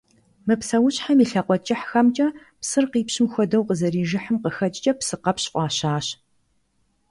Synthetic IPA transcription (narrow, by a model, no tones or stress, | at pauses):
mɨpsɐwʊɕħamiːɬɐqʷɔt͡ʃʼɪħxɐmt͡ʃʼɐ | psɨrqiːpɕɪmxʷɔdɐwqəzɐriːʒɪħəmqəxɐt͡ʃʼt͡ʃʼɐpsɨqɐpɕʔʷɑːɕaːɕ